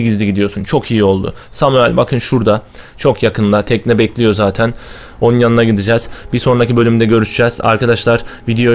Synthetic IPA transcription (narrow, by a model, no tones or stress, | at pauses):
ɟizlʲiɟid̪ijo̞sunt͡ʃʰo̞kʰijio̞lˠd̪ʊ̰ | samyalʲbakʰɯnʃuɾd̪a | t͡ʃʰo̞kʰjakʰɯnlˠat̪ʰɛcnʲɛbɛclʲijo̞zaːt̪ʰæn | o̞nunjanɯnaɟid̪id͡ʒɛz̥biso̞nɾacibø̞lʲymd̪ɛɟø̞ɾyʃyd͡ʒɛz̥a̰ɾkʰad̪aʃlˠaɾvid̪eo̞